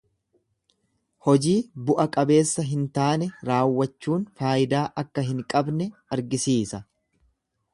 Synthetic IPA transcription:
hɔd͡ʒiːbʊʔɐkʼɐbe̞ːsːɐɦɪnt̪aːnɛɾaːwːɐt͡ʃːuːnfaːjɪd̪aːʔɐkːɐɦɪŋkʼɐbnɛɐɾɡɪsiːsɐ

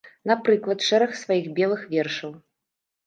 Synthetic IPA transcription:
nɐpɾɨklˠɐt̪ʂɛɾɐxsvajixbʲɛlˠɨxvʲɛrʂɐw

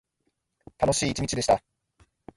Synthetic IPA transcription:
t̪ano̞ɕiːt͡ɕiɲʲit͡ɕid̪e̞ɕi̥t̪a

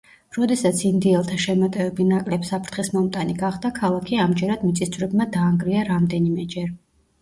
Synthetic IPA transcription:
ɾɔd̪ɛsat̪sʰind̪iɛlˠt̪ʰaʃɛmɔt̪ʼɛvɛbinakʼlɛpsapʰɾt̪χismɔmt̪ʼaniɡaχd̪akʰalˠakʰiamd͡ʒɛɾad̪mit̪sʼist̪ʰvɾɛbmad̪aːŋɡɾiaɾamd̪ɛnimɛd͡ʒɛɾ

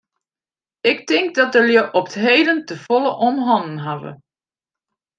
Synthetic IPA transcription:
ɪktɪŋk̚dɑtdəljəʔɔptɦejdəntəfɔlˠəʔɔmɦɔnnɦavə̰

